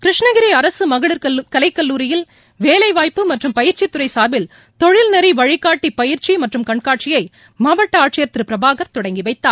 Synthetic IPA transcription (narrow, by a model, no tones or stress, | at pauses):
kɾɪʂɳɐɣɪɾiɐɾɐsɯmɐɣɐɭɯɾɐkɐlɐɪkːɐlːuːɾɪjɪl | ʋeːlɐɪʋaːjpːɯmɐʈrɯmpɐjɪɾt͡ʃit̪ːʊɾɐɪsaːɾbɪl | t̪ɔɻɪlnɐɾiʋɐɻɪkːaːʈːipɐjɪɾt͡ʃimɐʈrɯmkɐɳkaːʈ̚t͡ʃɪjɐɪ | mɐːʋɐʈːɐaːʈt͡ʃɪjɐɾt̪ɾɯpɪɾɐbʱaːɣɐɾt̪ɔɽɐŋɡiʋɐɪt̪ːaː